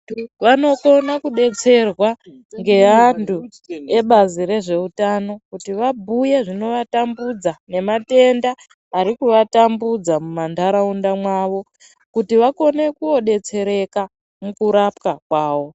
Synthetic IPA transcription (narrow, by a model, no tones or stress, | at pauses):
ʋano̞ko̞nakuɗe̞t͡se̞rwa | ŋɡe̞antʰu | e̞ɓaziɾe̞ʐe̞utano̞kutiʋabʱujeʐino̞ʋatambud͡zane̞mate̞ndaː | ɾikuʋatambud͡zamumandʱaɾaundamwaʋo̞ | kutiʋako̞ne̞kuo̞ɗe̞t͡se̞ɾe̞ka | mukuɾap̚kakwaːwo̞